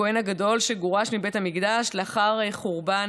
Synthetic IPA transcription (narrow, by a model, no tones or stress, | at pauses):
oenaɡado̞lʃeɡoʁaʃmibe̞thamiɡdaʃleaχaʁeχoʁban